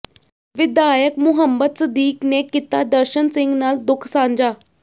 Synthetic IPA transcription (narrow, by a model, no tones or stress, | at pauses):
ʋɪd̪aːjəkmʊɦəmbəd̪səd̪iːkneːkɪt̪ːaːd̪əɾʃənsɪŋɡnaːld̪ʊkʰsãːɲd͡ʒaː